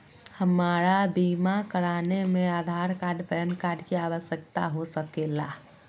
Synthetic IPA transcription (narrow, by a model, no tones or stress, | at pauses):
həmaɾabimakəɾanemead̪ʱaɾkaɾɖpɛnkaɖkeaʋəsjəkt̪a̰ɦosəkela